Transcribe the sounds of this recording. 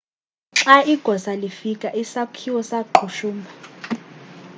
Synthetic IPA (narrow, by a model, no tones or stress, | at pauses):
ǁaiɡ̥ʱɔsalifikʼaʔisakʰiwɔsaǃʰuʃuːmbʱa